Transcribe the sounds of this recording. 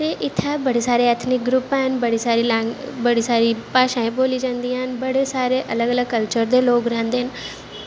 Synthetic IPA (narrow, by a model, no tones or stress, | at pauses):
t̪eʔɪt̪ʰabɐɽesaːɾeɛːt̪ʰnɪk̚ɡɾʊpaːɦɪnbɐɽisaːɾilabɐɽ̤isaːɾipaːʃãːẽboːlid͡ʒãːnd̪iaːɦɪnbɐɽ̤esaːɾeʔɐləɡələɡ̚kɐlt͡ɕəɾd̪eloːɡɾɛ̃ːnd̪eɦɪnɪ̆